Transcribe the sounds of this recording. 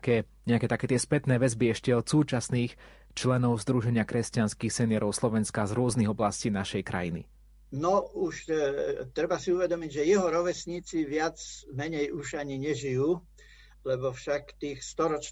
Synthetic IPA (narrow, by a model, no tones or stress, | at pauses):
kɛːɲɛakɛːt̪akɛːt̪ɪɛspɛt̪nɛːʋɛzbiɛʃcɛɔt̪suːt͡ʃasniːx | t͡ʃlɛnɔʊzd̪ɾuʒɛɲɪakɾɛscanskiːxsɛnɪɛɾɔʊslɔʋɛnskazɾʊɔzniɣɔblasciːnaʃɛjkɾa̰jinḭ | nɔuʃt̪ɾɛbasiuʋɛd̪ɔmiɟʒɛjɛɦɔɾɔʋɛsɲiːt͡siʋɪad͡zmɛɲɛjuʒaɲiɲɛʒijuː | lɛbɔfʃakt̪iːxst̪ɔɾɔt͡ʃ